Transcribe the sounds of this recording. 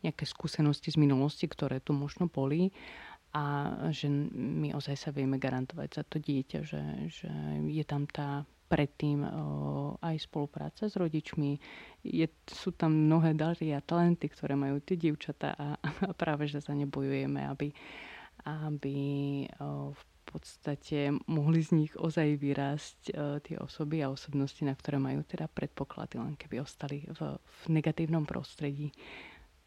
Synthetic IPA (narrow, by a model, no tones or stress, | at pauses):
ɲɪakɛːskuːsɛnɔscizminulɔscikt̪ɔɾɛːt̪umɔʒnɔbɔliʔaʒɛmiʔɔzajsaʋɪɛmɛɡaɾant̪ɔʋa̰ɟz̥at̪ɔɟɪɛca̰ʒɛ̰ʒ̥ɛ̰jɛt̪amt̪aː | pɾɛt̪ːiːm | ajspɔlupɾa̰ːt͡sazɾɔɟit͡ʃmijɛsuːt̪ammnɔɦɛːd̪aɾiːat̪alɛnt̪ikt̪ɔɾɛːmajuːt̪ɪɛɟɪɛʊt͡ʃat̪a̰ːʔaapɾʔaːʋɛʒɛsaɲɛbɔjujɛmɛ̰a̰bi | abi | f | pʰɔt̪st̪acɛmɔɦlizɲiɣɔzajʋiɾaːsct̪ɪɛ̰ʔɔ̰sɔbiaɔsɔbnɔscinakt̪ɔɾɛːmajṵːt̪ɛd̪apɾʔɛt̪̚pɔkla̰d̪̥ilɛ̰nkɛbiɔst̪alivvnɛɡat̪iːʊnɔmpɾɔ̰st̪ɾɛɟiː